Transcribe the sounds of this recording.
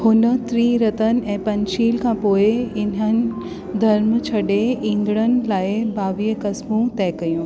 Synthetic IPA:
hʊnə̆t̪ɾiːɾɐt̪ənɪ̆ɛ̃ːpɐ̃ɲʃiːlkʰãːpoːɪɪnənɪ̆ | d̪ʱɐɾmt͡ɕʰɐɗeĩːŋɡɽ̃ənɪ̆laːɪbʱaːʋiːəkɐsmũt̪ɛːkɐjũː

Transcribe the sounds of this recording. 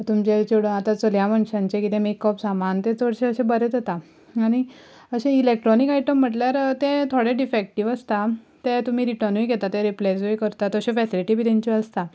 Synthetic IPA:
t̪umt͡ɕet͡ɕoɽəat̪at͡soljaməɳɕãɲt͡ɕekit̪ẽmekːɔpsamant̪ẽt͡soɽɕeəɕẽbəɾet̪et̪a | aɽ̃i | əɕẽilek̚ʈɾɔnikajʈəm̤ːəʈljaɾt̪ẽt̪ʰoɽeɖifek̚ʈiʋəst̪a | t̪ẽt̪um̤iːɾiʈəɾnʋiɡʱɛt̪at̪eɾiplajsʋejkəɾt̪at̪əɕẽfɛsiliʈibʱiːt̪ẽɲt͡ɕeəst̪a

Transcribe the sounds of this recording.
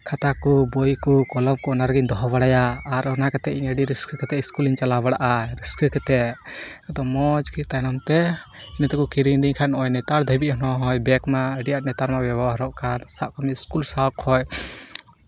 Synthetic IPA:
kʰat̪akɔbɔjkɔkɔlɔmkɔnaɾɡind̪ɔɦɔbaɽajaːɾɔnakat̪ɛʔiɲəɖiɾiskʰəkɛt̪ɛiskuliɲt͡ʃalaβaɽaʔaɾiskʰəkɛt̪ɛʔ | ad̪ɔmɔd͡ʒkit̪ajnɔmt̪ɛ | inɛt̪ɛkukiɾiŋɖiɲkʰanʔɔjnɛt̪aɾd̪ʱɔbiʔ̚hɔnɔɦɔjbɛkmaəɖijaʔnɛt̪aɾmabɛbɔɦaɾɔʔkʰansaʔkɔmiskulsawkʰɔj

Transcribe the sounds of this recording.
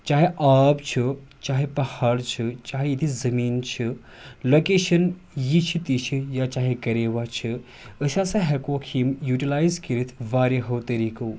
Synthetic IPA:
t͡ʃaːɦeʔaːbt͡ʃʰi | t͡ʃaːɦepɐhaːɽt͡ʃʰit͡ʃaːɦejid̪izɐmiːnt͡ʃʰi | loːkeːʃɐn | jit͡ʃʰit̪it͡ʃʰijat͡ʃaːɦekɐɾeːʋat͡ʃʰi | əʃasaɦekoːkʰimjuːʈilaːjzkiɾit̪ʰʋaːɾeɦowt̪ɐɾikɐw

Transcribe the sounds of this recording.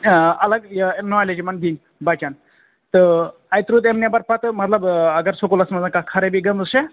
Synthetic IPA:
ɐləɡnɔled͡ʒimand̪in | bat͡ʃan | t̪əɐjt̪ɾut̪emnjabɐɾpat̪mɐt̪lɐbɐɡɐɾsokulɐsmɐzankakʰɐɾebiɡəməse

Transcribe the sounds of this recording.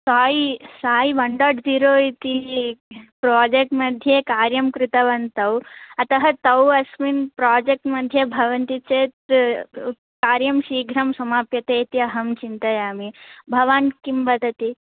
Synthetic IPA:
saːisaːjiʋɐɳɖaːɖʋiɾoːit̪i | pɾoːd͡ʒek̚ʈmɐd̪ʱjeːkaːɾjɐmkɾɪt̪ɐʋɐnt̪ɐwɐt̪ɐɦɐt̪ɐwɐsminpɾaːd͡ʒek̚ʈmɐd̪ʱjɐbʱɐʋɐnt̪it͡ʃeːt̪ | kaːɾjɐmʃiːɡʱɾɐmsɐmaːpjɐt̪eːt̪iɐɦɐmt͡ʃint̪ɐjaːmibʱɐʋankimbɐd̪ʱɐt̪i

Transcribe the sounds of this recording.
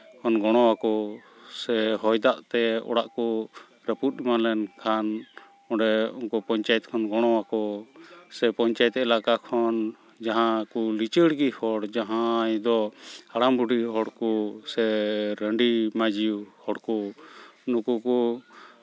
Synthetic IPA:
kʰɔnɡɔɽ̃ɔwakɔ | sɛɦɔjd̪aʔt̪ɛɔ̰ɽaʔkɔ | ɾəput̪̚ˀimalɛnkʰan | ɔɖɛɔ̰ŋkɔpɔɲt͡ʃajɛt̪̚kʰɔnɡɔɽ̃ɔwakɔsɛpɔɲt͡ʃajɛt̪ɛlakakʰɔn | d͡ʒaɦãkɔlit͡ʃəɽɡihɔɽd͡ʒaɦãjd̪ɔhaɽambuɖiɦɔɽkɔsɛɾəɳɖimad͡ʒiuhɔɽkɔ | nukukɔ

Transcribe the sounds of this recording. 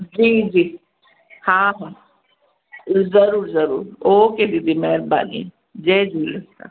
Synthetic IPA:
d͡ʒiːd͡ʒiː | hãːɦãː | zəɾuːɾzəɾṵːɾoːked̪id̪imɛɦɾba̰ːnḭ | d͡ʒeːd͡ʒulea̰

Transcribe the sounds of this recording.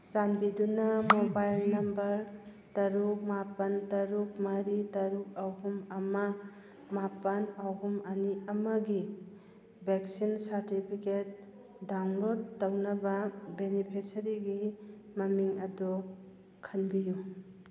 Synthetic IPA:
sanbidunɐmobajlnɐmbɐɾ | tɐɾuk̚mapɐntɐɾuk̚mɐɾitɐɾuk̚ɐwɦumɐmɐ | mapɐnawɦumɐniɐmɐɡi | beksinsɐɾtipʰiket̚ | dawnlod̚tɐwnɐbɐbenipʰisɐɾiɡimɐmiŋɐdu | kʰɐnbiju

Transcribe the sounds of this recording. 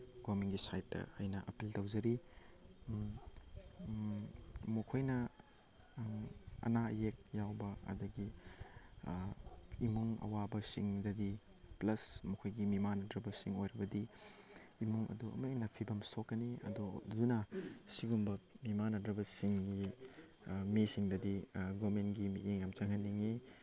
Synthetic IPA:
ɡ̥omiŋɡisajtːɐ̰hajnɐʔɐpiltɐwzɐɾi | mɐkʰojnɐ | ɐ̰najek̚jawbɐɐ̰dɐɡi | imuŋɐ̰wabɐsiŋdɐdi | plɐsmɐkʰojɡimimanɐdɾɐbɐsiŋojɾɐbɐdiː | muŋʔɐ̰duɐ̰mɐenɐpʰibɐmsokːɐniɐ̰dodunɐsiɡumbɐmimanɐdɾɐbɐsiŋɡi | misiŋdɐdiɡomenɡimitiŋjamt͡ʃɐŋɐnːiŋi

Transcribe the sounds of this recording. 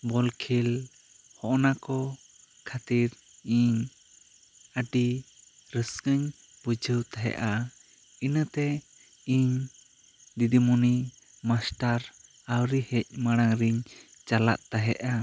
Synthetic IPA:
bɔlkʰil | hɔʔnakɔ | kʰat̪iɾ | iɲ | əɖiɾəskəɲ | bud͡ʒʱəwt̪aɦɛ̰ʔa | inət̪ɛ | iɲ | d̪id̪imuni | masʈaɾ | awɾihɛc̚maɽ̃aŋɾiɲt͡ʃala̰ʔ̪̚t̪aɦɛ̰ʔa

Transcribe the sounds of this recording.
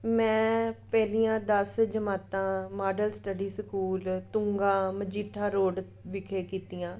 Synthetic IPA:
mɛ̃ːpɛːliːjãːd̪əsd͡ʒəmaːt̪ãːmaːɖəlsʈəɖiːsəkuːlt̪ʊ̃ŋɡãːməd͡ʒiːʈʰːaːɾoːɖ | ʋɪkʰeːkiːt̪iːãː

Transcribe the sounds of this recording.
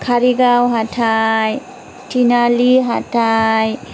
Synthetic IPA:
kʰaɾiɡawɦatʰaj | tinaliɦatʰaj

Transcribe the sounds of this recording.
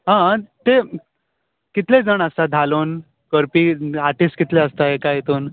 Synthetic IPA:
ɦãt̪e | kit̪led͡zəɳ̃əst̪ad̪ʱaloːn | kəɾpiːaɾʈisʈkit̪leəst̪aɦekajet̪oːn

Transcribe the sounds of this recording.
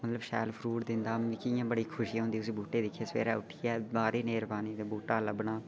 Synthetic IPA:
mət̪ləbʃɛ̰ːlfʰɾuːɽd̪ɪnd̪aːɪkɪjãːbəɽiːkʰʊʃiːɦõnd̪iːʊs̬iːbuːʈeːd̪ɪkʰːeːsʋḛːɾaːʊʈʰːɪjaːbaːɾiːneːɾbaːniːd̪ebuːʈaːləbɳaː

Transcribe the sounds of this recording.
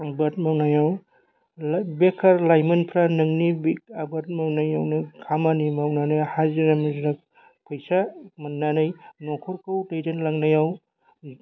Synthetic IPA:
bɐt̚mawnajaw | bekʰːɐɾlajmɯnpʰɾanɯŋnibik̚abɐt̚mawnajawnɯkʰamanimawnanajhaziɾamziɾak̚ | pʰɔjsamɐnːanɯjnɔkʰɔɾkɯwtejdenlaŋnajaw

